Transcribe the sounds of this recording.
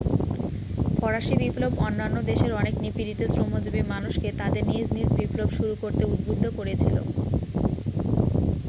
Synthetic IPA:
pɔɾaʃibiplobɔnːanːod̪eʃeɾɔneknipiɾit̪osɾomod͡ʑubimanuʃket̪ad̪eɾnid͡ʑnid͡ʑbiplobʃuɾukoɾt̪eud̪̚bod̪ʱːokoɾet͡ɕʰilo̰

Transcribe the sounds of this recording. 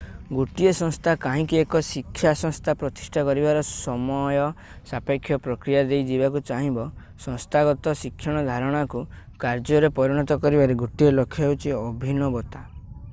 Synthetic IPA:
ɡuʈiesɔ̃ŋst̪ʰakaɦĩkiekɔsikʰːjasɔ̃ŋst̪ʰapɾɔt̪i̥sʈʰakɔɾibaɾɔsɔmɔjɔ | sapekʰːjɔpɾɔkɾijad̪ejd͡ʒibakut͡ʃaɦĩbɔ | sɔ̃ŋst̪ʰaɡɔt̪ɔsikʰjɔɽ̃ɔd̪ʱaɾɔɽ̃aku | kaɾd͡ʒɔɾepɔɾiɽ̃ɔt̪ɔkɔɾibaɾeɡuʈielokʰːjɔɦwt͡ʃʰiɔbʱinɔbɔt̪a

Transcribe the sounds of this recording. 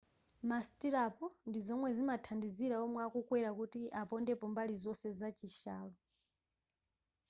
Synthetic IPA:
mastiɾapɔndizɔmwɛzimatʰandiziɾaɔmwɛakukwɛɾakutiʔapɔndɛpɔmbalizɔsɛzat͡ʃiʃaːlɔ

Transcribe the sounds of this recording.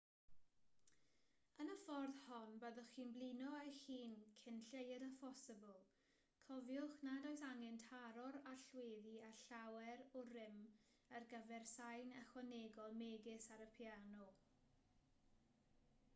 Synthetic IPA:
ənəfɔrðhɔnbəðɔχiːnblˠinɔexiːnkʰɪnɬejədəfɔsɪbəlˠ | kʰɔvjʊχnadɔɨsaŋɛntʰaɾɔɾaɬweːðiaɬawɛɾɔrɪm | ərɡəvɛrsajnəχwaneɡɔlˠmeːɡɪsaɾəpʰjanɔ

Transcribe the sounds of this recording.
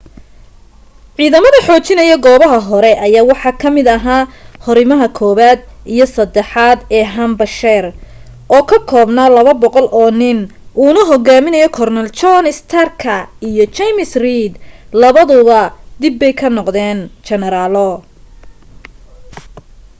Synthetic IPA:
ʕiːðɐmɐðɐħɔːt͡ʃɪnɐjɐɡɔːβɐɦɐɦɔɾɛʔɐjaːwɑħɑːkʰɐmɪd̪ɐɦaːhɔɾɪmɐɦɐkʰɔːβaːd̪ijɔsɐd̪ɛħaːd̪ɛːɦɐmbɐʃɛːr | ʔɔːkʰɐkʰɔːbnaːlɐβɐbɔqɔlʔɔːnɪnʔuːnɐɦɔɡaːmɪnɐjɔkʰɔrnɐlt͡ʃɔnɪst̪ʰɐrkʰɐijɔt͡ʃɛmɪsriːd̪lɐβɐðʊβɐd̪ɪbːɛjkʰɐnɔqd̪ɛːnt͡ʃɛnɛɾaːlɔ

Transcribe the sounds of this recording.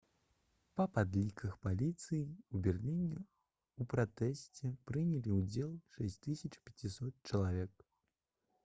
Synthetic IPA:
pɐpad̪lʲikɐxpalʲit̪sɨjiubʲɛrlʲinʲɛ | upɾat̪ɛsʲt͡sʲɛpɾɨnʲɛlʲiud͡zʲɛlˠʂɛsʲtʲt̪ɨsʲɐt͡ʂpʲat͡sʲisɔt̪̚t͡ʃɐlˠavʲɛk̚

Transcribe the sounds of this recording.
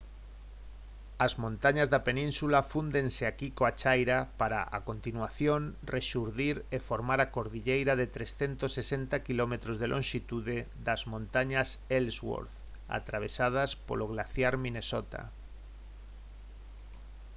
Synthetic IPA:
azmõnt̪aɲazðapenĩnsulafund̪ẽnseakikoat͡ʃajɾapaɾa̰ʔa̰kont̪inwaθjonreʃuɾðiɾefoɾmaɾakoɾðiʎejɾaðet̪ɾesθent̪osːesent̪akilomet̪ɾozðelʔõnʃit̪uðeðazmõnt̪aɲaselswo̰ɾθ | a̰t̪ɾaβ̞esað̞aspo̰loɣ̞laθjaɾmĩnesot̪a̰

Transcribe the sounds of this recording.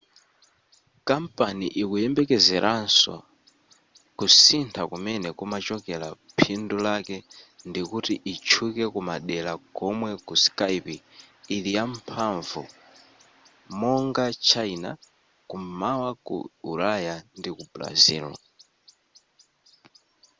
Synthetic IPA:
kampaniʔikujɛmbɛkɛzɛɾʔansɔ̰ | kusintʰakumɛnɛkumat͡ʃɔkɛla̰ | pʰindulakɛndikutiʔit͡ʃʰukɛkumaɗɛlaɡɔmwɛkuskajpiːlijampʰaɱvṵ | mɔŋɡat͡ʃʰaina̰ | kummawakṵulajandikupla̰zḭːlɔ̰

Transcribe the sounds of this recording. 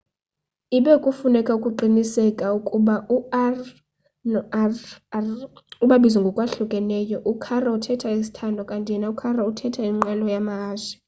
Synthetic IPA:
iɓɛkʼufunɛkʼaukʼuǃinisɛkʼaukʼuɓauar | nɔ | ruɓaɓizɔŋɡʱɔkʼwaɬukʼɛnɛjɔʔukʰarautʰɛtʰaisi̥tʰandʱɔkʼantʼiɛnaukʰarautʰɛtʰaiŋ͡ǃalɔjamaaːzɛ

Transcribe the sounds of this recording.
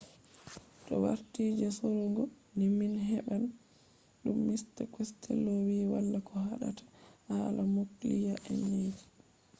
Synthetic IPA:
ɗɔwa̰ɾtiːd͡ʒɛsɔɾɔŋɡɔ | niminɦɛɓan | ɗumːistakwɛstʰɛ̰lːɔwiːwalːakʰɔhaɗa̰tʰḁhalamoklijaʔɛ̰nːed͡ʒi̥

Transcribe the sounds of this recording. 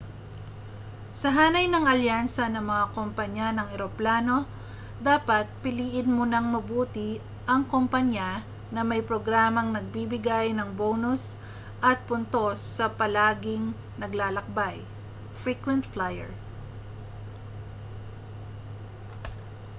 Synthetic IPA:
sɐɦaːnɐjnɐŋɐljansɐnɐŋmɐŋakompɐɲːanɐŋɛɾoplaːno̞ | d̪aːpɐt̪̚pɪliːʔɪd̪̚mʊnaŋmɐbuːt̪ɪ | ʔɐŋkompɐɲa | nɐmɐjpɾoɡɾaːmɐŋnɐɡ̚bibɪɡajnɐŋbonʊs | ʔɐt̪̚pʊnt̪o̞sːɐpɐlaːɡɪŋ | nɐɡlaːlɐk̚baj | fɹikwɛnt̪flajɛ̰ɹ

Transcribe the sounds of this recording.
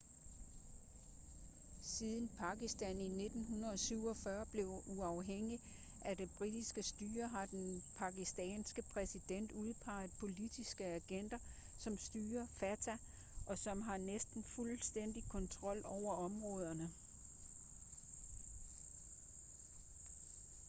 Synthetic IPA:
siðˠn̩pʰɑ̈ɡ̥isd̥ænine̝d̥n̩ɦunɐðˠɒ̽syʊ̰ɒ̽fɶɐb̥le̝ʊuɑ̈ʊɦeŋ̰i | ʔæd̥e̝b̥ʁid̥isɡ̥əsd̥yːɐɦɑ̈d̥enpʰɑ̈ɡ̥isd̥ɛ̰ːnsɡ̥əpʰʁɛsid̥en̰d̥uð̞ˠpʰɑ̈ɪð̩ˠpʰo̝lid̥isɡ̥əæɡ̥en̰d̥ɐ | sɒ̽msd̥yːɐfæt͡sʰæ | ʔɒ̽sɒ̽mɦɑ̈nesd̥n̩fulsd̥en̰d̥ikʰɒ̽nt͡sʰʁɒ̽l̰ɒʊ̰ɐɒ̽mʁɔ̽ːð̞ˠɐnə

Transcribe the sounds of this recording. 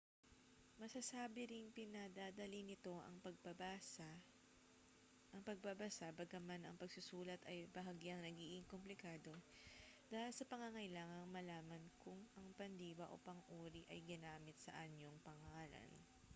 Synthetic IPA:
mɐsɐsaːbɪɾɪŋpɪnɐd̪aːd̪ɐlinɪt̪o̞ʔɐ̰ŋpɐp | ʔɐŋpɐɡ̚babɐsabɐɡɐmanɐ̰ŋpɐɡsʊsuːlɐt̪ɐjbɐɦɐɡjɐŋnɐɡiːɡɪŋkomplɪkaːd̪o̞d̪aːhɪlsɐpɐŋɐŋɐjlaːŋɐŋmɐlaːmɐnkʊŋʔɐŋpɐnd̪iːwɐʔo̞̰pɐŋʔuːɾiʔɐjɡɪnaːmɪt̪̚sɐ̰ʔɐɲo̞ŋpɐŋaːlɐ̰n

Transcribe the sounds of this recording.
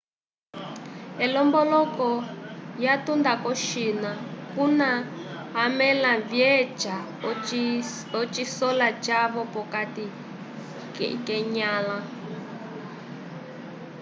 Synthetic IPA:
ɛlɔmbɔlɔkɔjatund̪akɔʃinakunaɦamɛlavjɛd͡ʒa | ɔt͡ʃisɔlat͡ʃaβɔpɔkati | kɛɲaːla

